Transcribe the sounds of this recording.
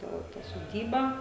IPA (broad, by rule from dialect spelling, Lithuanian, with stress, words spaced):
ˈtɐ tɐ soːˈdʲiːbɐ